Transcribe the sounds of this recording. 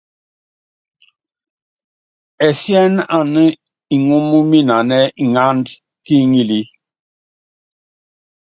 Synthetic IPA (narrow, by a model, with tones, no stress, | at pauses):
ɛ˨sjɛ˦na˨nə˦ | i˨ŋu˦mu˦mi˦na˨nɛ˦i˨ŋa˦nd | ki˦ŋi˦li˦